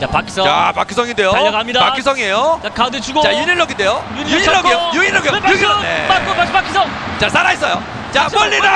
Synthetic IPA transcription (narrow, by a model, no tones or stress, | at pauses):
t͡ɕapakʰi̥sʌapak͈ʰisʰʌŋinde̞joaʌkamidapakk͈ʰis̬ʰʌŋie̞jot͡ɕakadet͡ɕuɡot͡ɕajuɲiɭːʌɡindejoujuːʌɡijojuɲiɭːʌɡioneapaakʰisʌ | t͡ɕasʰaɾais͈ʌjo | t͡ɕapʌʎːida